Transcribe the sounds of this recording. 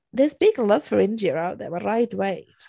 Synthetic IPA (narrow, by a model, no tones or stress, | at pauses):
ðɛzbɪɡlʌv̥fəɹɪ̃ndiəɹaʊt̚ðə̰əɹaɪtweɪ̥